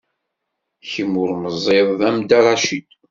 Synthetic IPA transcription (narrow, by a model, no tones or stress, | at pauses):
çəmːʊɾməzˤːɪðˤæmd̪aɾˤɑʃid̪